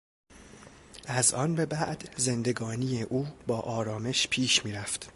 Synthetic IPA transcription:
ʔæzʔɒ̰ːnbe̞bæʔd̪ze̞nd̪e̞ɡɒːnijeʔuːbɒːʔɒːɾɒːme̞ʃpʰiːʃmiːɾæft̪

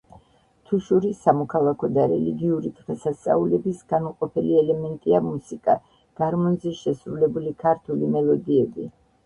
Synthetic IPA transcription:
t̪ʰuʃuɾisamɔkʰalˠakʰɔd̪aɾɛliɡiuɾid̪ʁɛsast̪sʼa̰ulɛbisɡ̥anuqʼɔpʰɛliɛlɛmɛnt̪ʼiamusikʼa | ɡ̥aɾmɔnzɛʃɛsɾulɛbulikʰaɾt̪ʰulimɛlˠɔd̪iɛbi

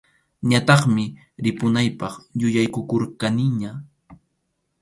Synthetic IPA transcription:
ɲat̪ɑχmɪ | ɾɪpʊnajpɑχjʊjajkʊkoɾkanɪɲa

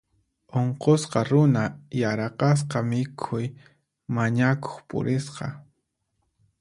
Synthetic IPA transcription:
oɴqosqɑɾʊnajaɾɑqɑs̬qɑmɪkʰʊj | maɲako̥χpʊ̰ɾɪsqɑ̰

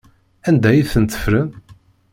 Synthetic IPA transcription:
ænd̪æjiθənt̪ːə̥fɾən

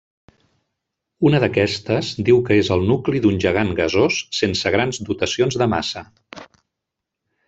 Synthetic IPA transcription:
unəðəkɛst̪əzd̪iwkəezəlˠnukliðunʲʒəɣ̞aŋɡəzosːensəɣɾanzd̪ut̪əsionzðəma̰sə

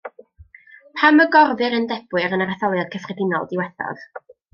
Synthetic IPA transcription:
pʰaməɡɔrvɨɾəndɛb̥wɨɾənaɾaθɔlˠjad̥̚kʰəfrɪdɪnɔ̰lˠdɪwɛθɔ̰ð

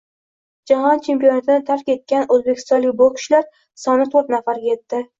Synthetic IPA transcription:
d͡ʒahɒnt͡ʃʰe̞mpijonat̪ʰɪnɪt̪ʰaɾkʲe̞t̪̚kʲanɵzbekʰʲɪ̥st̪ɒnlɪkʲbʊkʲʰɪ̥ʃlaɾ | sɒnɪt̪ʰoɾt̪nafaɾje̞t̪ːɪ

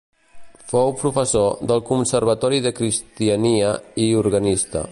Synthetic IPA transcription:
fowpɾufəsoðəlˠkunsəɾβət̪ɔɾiðəkɾist̪iəniəiuɾɣənist̪ə̰

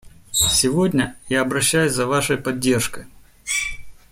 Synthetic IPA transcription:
sʲɪvo̞dʲnʲəjaɐbɾɐɕːæjʊsʲzɐvaʂəjpɐdʲːe̞rʂkəj

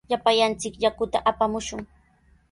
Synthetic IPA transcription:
ʎapajant͡sɪkʎakʊt̪aʔapamʊʃʊŋ

